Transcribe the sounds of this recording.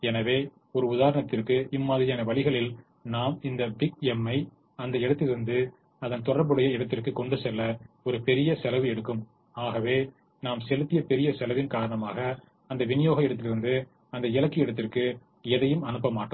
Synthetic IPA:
ɛnɐʋeː | ɔɾɯʊðaːɾɐɳɐt̪ːɪrkɯʔɪmːɐðɪɾɪjaːnɐʋɐɭɪɣɐɭɪl | naːmɪnd̪ɐbɪɡɛmːɐɪ | ɐnd̪ɐɪɽɐt̪ːɪlɾɯnd̪ɯ | ɐðɐnt̪ɔɽɐɾbɯɽɐjɐɪɽɐt̪ːɪrkɯkɔɳɖɯsɛlːɐɔɾɯpɛɾɪjɐsɛlɐʋɯɛɽɯkːɯm | aːɣɐʋeː | naːmsɛlɯt̪ːɪjɐpɛɾɪjɐsɛlɐʋɪnkaːɾɐɳɐmaːɣɐː | nd̪ɐʋɪnɪjoːɣɐɪɽɐt̪ːɪlɪɾɯnd̪ɯ | ɐnd̪ɐɪlɐkːɪɪɽɐt̪ːɪrkɯ | ɛðɐjɯmɐnɯpːɐmaːʈːɐ

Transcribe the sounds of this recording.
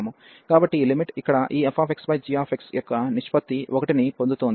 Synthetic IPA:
mu | ɡaːbɐʈːilimiʈikːɐɽɐʔiːepʰaːpʰeksbɐjd͡ʒijaːpʰeksjɐkːɐniʃpɐt̪ːiʋʔɔkɐʈinipond̪ut̪on

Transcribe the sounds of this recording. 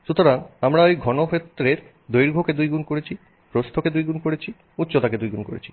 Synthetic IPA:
ʃut̪oɾaŋamɾaejɡʱɔnokʰet̪ːɾeɾ | d̪ojɾɡʱoked̪ujɡunkoɾet͡ɕʰi | pɾost̪ʰoked̪ujɡunkoɾet͡ɕʰi | utːɕot̪aked̪ujɡunko̰ɾḛt͡ɕʰi̥

